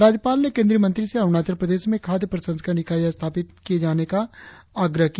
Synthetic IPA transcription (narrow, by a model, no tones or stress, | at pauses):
ɾaːd͡ʒjəpaːlnekẽːnd̪ɾiːəmə̃nt̪ɾiseɐʋnaːt͡ʃəɾpɾəd̪eːʃmẽkʰaːd̪jəpɾɐsə̃nd̪kanɪkaːijast̪ʰaːpɪt̪̚kijed͡ʒaːnekaaːɡɾəɦki